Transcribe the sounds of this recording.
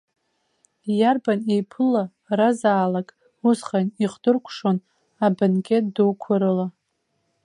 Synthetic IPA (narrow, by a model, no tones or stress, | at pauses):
jarbanejpʰɨla | razaːlakʼ | usχaniχdɨrkʷʰʂon | abankʰʲʼet̚dowkʷʰaɾɨla